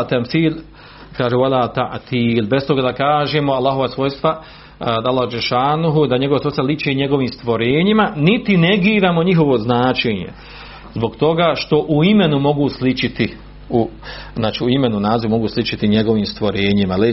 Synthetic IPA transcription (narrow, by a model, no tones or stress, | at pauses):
at̪amθiːl | kaːʒewalaːt̪a̰ʔt̪iːlbest̪o̞ɡaːd̪akaːʒemoalːaːɦo̞ʋasʋo̞jst̪ʋa | d̪aalːˠahd͡ʒeʃaːnuɦud̪aɲeɡoʋaso̞jst̪valˠit͡ʃeɲe̞ɡo̞ʋiːmst̪ʋo̞ɾeːɲimanit̪ineɡiːɾaːmo̞ɲiɦo̞ʋo̞znaːt͡ʃeːɲḛ | zbo̞ɡt̪o̞ɡaːʃt̪o̞ʔuime̞numo̞ɡuslit͡ʃit̪i | uznaːt͡ʃiuimenunaːziʋumo̞ɡuːslˠit͡ʃit̪iɲeɡo̞ʋiːmst̪ʋo̞ɾeːɲimale